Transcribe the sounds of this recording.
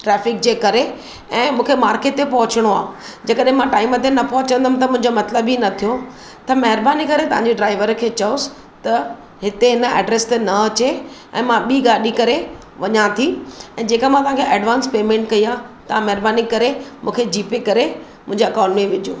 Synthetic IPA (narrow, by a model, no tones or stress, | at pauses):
ʈɾɛːfɪk̚d͡ʑeːkɐɾe | ɛ̃ːmũːkʰemaːɾkeːʈt̪ːepɐɦʊt͡ɕəɽ̃oaː | d͡ʑeːkəɗɦɪ̃mãʈaːɪmət̪enɐpɐɦʊt͡ɕə̃nd̪əm̆t̪ɐmʊ̃ɦɪ̃ɲd͡ʑomɐt̪ləbinɐt̪ʰijo | t̪ɐmɐɦɪɾbaːnikɐɾet̪ɐʋ̤ãɲd͡ʑeɖɾaːɪʋəɾkʰeːt͡ɕɐʊsɪ̥ | t̪ɐ | ɦɪt̪eɦɪnə̆ɛ̰ːɖɾeːst̪enɐɐt͡ɕeɛ̰̃ːmãɓiːɡaːɗikɐɾe | ʋɐɲãt̪ʰiɛ̃ːd͡ʑeːkamãt̪ɐʋ̤ɦãkʰeʔɛːɖʋãːnspeːmẽːɳʈkɐiaːt̪ɐãmɐɦɪɾbaːnikɐɾemũːkʰed͡ʑiːpekɐɾemʊ̃ɦɪ̃ɲd͡ʑeɐkãʊ̃ɳʈmẽʋɪd͡ʑṵː